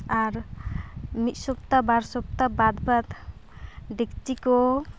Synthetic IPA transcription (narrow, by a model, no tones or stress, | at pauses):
aɾ | mit̪̚sɔp̚t̪abaɾsɔp̚t̪abad̪bat̪ | ɖiktikɔ